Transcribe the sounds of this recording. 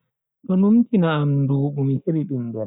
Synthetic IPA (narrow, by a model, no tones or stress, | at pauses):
tɔnumtinaːmduːɓumiheɾiɗumdɔɾ